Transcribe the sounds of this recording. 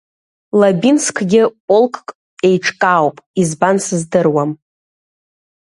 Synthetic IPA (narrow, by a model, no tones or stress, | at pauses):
labinskʷʰɡʲɪpʼolˠkʼkʼ | e̞jʈ͡ʂʰʼkʼaːwpʼizbansɨzdɨrwam